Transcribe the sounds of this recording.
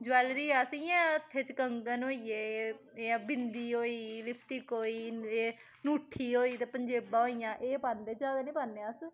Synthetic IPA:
d͡ʒɛːlɾiːəsijãːət̪ʰːeːt͡ʃkəŋɡənɦoːiːeː | eːbɪnd̪iːɦoːiːlɪpʰt̪iːkɦoːiːeː | nuːʈʰːiːɦoːiːt̪eːpəɲd͡ʒeːbãːɦoːijãːʔeːpaːnd̪eːd͡ʒjaːd̪aːnĩːpaːnːeːəs

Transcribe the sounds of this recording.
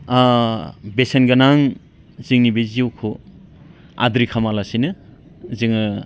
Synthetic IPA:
a | besenɡanaŋ | ziŋnibeziwkʰo | a̰dɾikʰamalasinɯ | ziŋɯ

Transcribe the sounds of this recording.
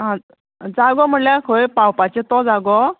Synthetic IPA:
ɦã | d͡zaɡɔm̤əɳljakʰəjpãwpat͡ɕẽt̪ɔd͡zaɡɔ

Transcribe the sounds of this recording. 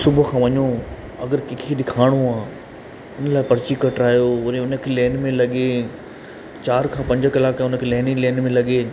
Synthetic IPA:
sʊbʱəkʰãːʋɐɲo | ɐɡəɾkɪkʰeɗɪkʰaːɽ̃oaː | ʊnəlaːɪpɐɾt͡ɕikɐʈɾaːijoʊnẽʊnə̆kʰeːleːnmẽlɐɠe | t͡ɕaːɾkʰãːpɐ̃ɲd͡ʑʱəkɐlaːkːʊnə̆kʰeːlɛːnileːnmẽlɐɠe

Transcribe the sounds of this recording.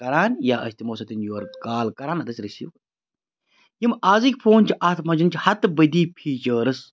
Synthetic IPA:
kɐɾaːnjaːʔɐ̰sʲt̪imoːsɐt̪injoːɾt̪kaːlkɐɾaːnɐt̪ɐsʲɾɐsḭ | jimaːzikʲpʰoːnʲt͡ʃʰiʔɐːt̪ʰmɐd͡ʒɐnt͡ʃʰihɐt̪bɐd̪iːpʰiːt͡ʃəːɾɨs

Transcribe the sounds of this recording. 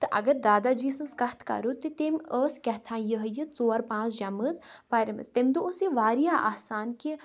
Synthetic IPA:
t̪ɨʔɐ̰ɡəɾd̪aːd̪aːd͡ʒiːsɨnskɐht̪ʰkɐ̰ɾut̪ɨt̪eməːskʲɐt̪ʰãːnjəɦəjəzoːaɾpãːt͡sd͡ʒɐməzpaːɾɐmə̰st̪emd̪uosiʋaːɾijaːʔaːsaːnki

